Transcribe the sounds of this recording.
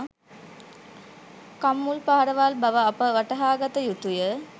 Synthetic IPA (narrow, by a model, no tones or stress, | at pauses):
kamːulpaɦaɾəʋaːlbɐʋəɐpəʋɐʈɐɦaːɡɐt̪əjut̪ujə